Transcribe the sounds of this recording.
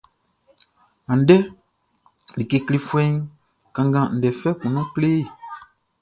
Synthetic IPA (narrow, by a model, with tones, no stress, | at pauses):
ã˨n̩˨˦dɛ˦ | li˨ke˧kle˧fwɛ̃˦ŋ | kã˨ŋɡã˨n̩˨dɛ˨fɛ˦kũ˨nɔ̃˦kle˦˨